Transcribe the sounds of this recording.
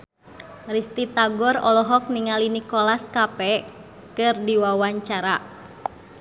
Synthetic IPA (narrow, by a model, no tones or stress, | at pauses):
rist̪it̪aɡɔrɔlɔɦɔk̚niŋalinikɔlaskapɛ | kɨrdiwawaɲt͡ʃaɾa